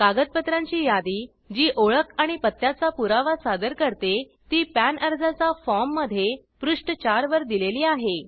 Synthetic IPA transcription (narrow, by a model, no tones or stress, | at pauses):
kaɡət̪̚pət̪ɾãɲt͡ɕiːjad̪iː | d͡ʑiːʔoɭəkaɽ̃ipət̪ːjat͡sapuɾaʋasad̪əɾkəɾt̪e | t̪iːpænəɾd͡zat͡safɔmːəd̪ʱje | pɾuʂʈət͡ɕaɾʋəɾd̪ileliːaɦe